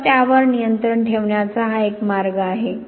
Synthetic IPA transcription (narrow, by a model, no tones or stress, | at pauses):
t̪jaʋəɾnijənt̪ɾəɳʈʰeʋɳjat͡saɦaekmaɾɡəːɦe